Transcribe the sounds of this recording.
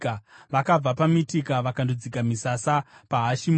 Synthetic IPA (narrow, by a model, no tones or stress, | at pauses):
ʋakab͡vapamitikaʋakandod͡zikamisasapaɦaʃim